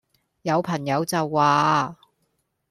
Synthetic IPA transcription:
jɐ˨˧wpʰɐ˨˩ŋjɐ˨˧wt͡sɐ˨wːaː˨˧

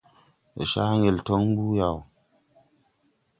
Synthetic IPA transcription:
ḛ˨ʃa˦ŋe˨lto˦ŋm˦bu˦ja˨w

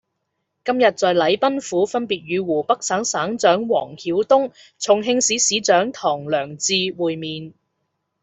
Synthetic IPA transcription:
kɐ˥mjɐ˨t̚t͡sɔː˨jlɐ˨˥jpɐ˥nfuː˨˥fɐ˥npiː˨t̚ɥyː˨˧wuː˨˩pɐ˥k̚saː˨˥ŋsaː˨˥ŋt͡sœː˨˥ŋwɔ̰ː˨˩ŋkʰiː˨˥wt̪ʊ˥ŋ | t͡sʰʊ˨˩ŋɦɪ˧ŋsiː˨˥siː˨˥t͡sœː˨˥ŋt̪ʰɔː˨˩ŋlœː˨˩ŋt͡siː˧wuː˨jmiː˨˧n

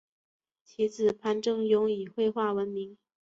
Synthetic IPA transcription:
t͡ɕʰi˧˥t͡sɹ̩˨˩pʰa˧˥nʈ͡ʂɤ˥˩ŋjʊ˧˥ŋi˨˩xwe˥˧ɪxwa˥˩wə˧˥nmi˧˥ŋ

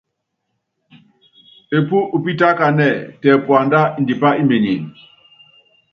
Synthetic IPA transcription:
e˨pu˦ʔu˨pi˦ta˦ka˨nɛ˦˨tɛ˨pwa˨nda˦i˨ndi˨pa˦i˦me˨ni˨n

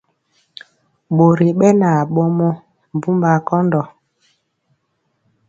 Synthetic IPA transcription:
ɓo˨ɾi˨ɓɛ˦na˨ɓɔ˦mɔ˦ | m˨bu˦mba˨kɔ˦ndɔ˨

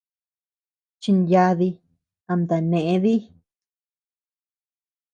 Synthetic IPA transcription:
t͡ʃi˧nja˧ði˧ | a˧nd̪a˨nẽ˨ʔẽ˧ði˦

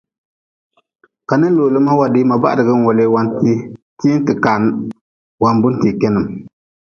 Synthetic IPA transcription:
ka˨nɨ˦loː˨lɨ˦m˦a˦wa˨dɪ˦ma˨ba̰˦ʔdɨ˨ɡɨ˦ŋ˦wɔ˨le˦wa˦nti˦ti˦n˦tɨ˨ka˨n˦ | wa˨nbʊ˦n˦ti˨kɛ˦nɨ˨m

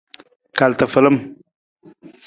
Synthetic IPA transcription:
ka˨lt̪ə˨fə˨lə˦m

